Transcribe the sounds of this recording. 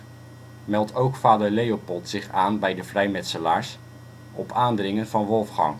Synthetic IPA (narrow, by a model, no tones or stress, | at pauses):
mɛlˠtʰowkfaːdəɹlejopɔlˠtsɪχaːnbɛjdəvrɛjmɛtsəlaːɹs | ɔpʰaːndrɪŋənv̥ɑnʋɔlˠfχɑ̰ŋ